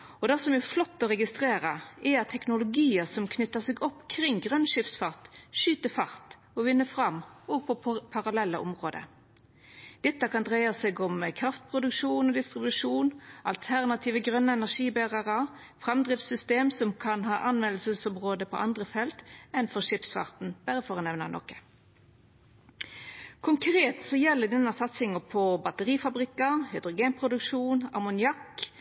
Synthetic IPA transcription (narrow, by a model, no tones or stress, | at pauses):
ɔd̪ɑsɔmɛʁflɔt̪ːɔʁɛɡɪst̪ʁeːɾəɛɑt̪ʰːɛknʊlʊɡiːəsɔmkʰnʏt̪ːəsɛːɡɔpːkʰɾɪŋːɡʁœnʃɪfsfɑʁt̪ʃyːt̪əfɑʁt̪ | ɔʋɪnːəfʁɑmɔːɡ̚pʰɔpʰɑʁɑlɛlːəʔɔmʁoːd̪ə̰ | d̪̥ɛt̪ːəkɑnd̪ʁæɪɑsɛːɡɔmkʰʁɑft̪̚pʰʁʊd̪ʉkʂuːnɔd̪ɪst̪ʁɪbʉʂuːnʔɑ̰lt̪ʰæʁnɑt̪ʰiːʋəɡʁœnːəɛnæʂiːbæʁɑʁɑ | fʁɑmd̪ʁɪft̪sʏst̪eːmsɔmkʰɑnɦɑːʔɑnʋɛnl̩səsɔmʁoːd̪əpʰɔ̰ʔɑnd̪ʁəfɛlt̪ɛnfɔʁʂɪpsfɑ̰ʁt̪n̩b̥æʁəfɔːʁənɛʋnənɔ̰kːə̥ | kʰʊŋkʰʁeːt̪sɔjɛlːəd̪ɛnːɑsɑt̪sɪŋəpʰɔbɑt̪əʁiːfɑbʁɪkːɑhʏd̪ʁʊɡeːnpʰʁʊd̪ʉkʂuːnɑ̰mʊnɪɑk